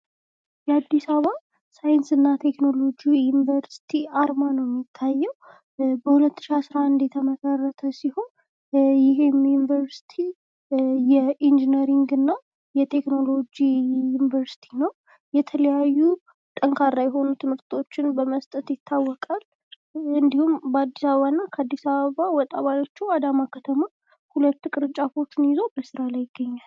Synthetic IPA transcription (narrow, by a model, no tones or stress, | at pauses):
jɛad̪ːisaβa | sajɪnsɨnːat̪ʰe̞kno̞lo̞d͡ʒijunvəɾsi̥t̪ʰiaɾmanəwjɛmːit̪ʰːajːɛw | bəhulət̪ːɨ̥ʃiasɾaand̪jɛt̪ʰəməsarːət̪ʰəsiho̞n | jɪɦɪmjunivəɾsi̥t̪ʰi | jɛʔind͡ʒinəɾiŋɡɨnːa | jɛt̪ʰe̞kno̞lo̞d͡ʒijunivəɾsi̥t̪ʰinəw | jɛt̪ʰələjajːu | t̪ʼəŋkʰaɾːajɛɦo̞nut̪ʰɨmhɨɾt̪ʰo̞t͡ʃːɪnbəməst̪ʼət̪jɪt̪ʰːawːɔkʼal | ɨnd̪ihumbəad̪ːisaβəβanːakʰəad̪ːisaβəβawɔt̪ʼːaβajo̞t͡ʃːuad̪amakʰət̪ʰəma | hulət̪ːkʼɨɾɨt͡ʃʼːafo̞t͡ʃːɪnjɪzo̞bəsɨɾalajɪɡːəɲːal